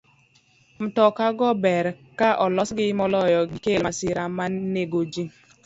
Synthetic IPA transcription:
m̩tɔkaɡɔbɛɾ | kaʔɔlɔsɡɪmɔlɔjɔɡɪkelmasɪɾamaneɡod͡ʒi

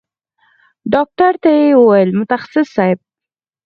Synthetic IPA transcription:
ɖɑk̚ʈaɾt̪ajewəwajəlmʊt̪axḁsɪsːɑjɪb̚

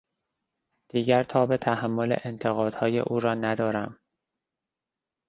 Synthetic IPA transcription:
d̪̥iːɟæɾt̪ʰɒːbet̪ʰæhæmːo̞lḛʔent̪ʰe̞ɣɒːd̪̥hɒːjḛʔuːɾɒːnæd̪ɒːɾæm

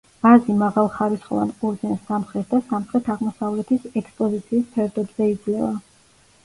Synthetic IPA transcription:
azimaʁalˠχaɾisχɔ̰va̰nqʼuɾd̪zɛnsamχɾɛt̪̚d̪asamχɾɛt̪ʰaʁmɔsavlɛt̪ʰisɛkspʼɔzit̪sʰiːspʰɛɾd̪ɔbz̥ɛid̪zlɛva

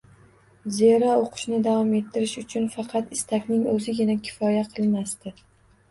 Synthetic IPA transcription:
zeɾɒoqʰɨ̥ʃnɪd̪avɒme̞t̪ʰːɪɾɪʃʊt͡ʃʰʊnfɑqʰɑt̪ɪst̪ʰakʲnɪŋɵzɪɡʲɪnakʲʰɪ̥fɒjaqʰɨlˠmast̪ɪ

